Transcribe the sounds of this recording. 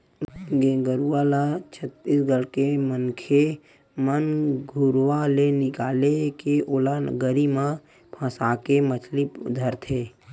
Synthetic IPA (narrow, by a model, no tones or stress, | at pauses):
ɡeɡəɾualat͡ʃʰət̪ːisɡəlkemənkʰe | mənɡʱʊɾwalenɪkaːlekeʔoːlaɡəɾimã | pʰãːsaːkemət͡ʃʰlid̪ʱəɾt̪ʰeː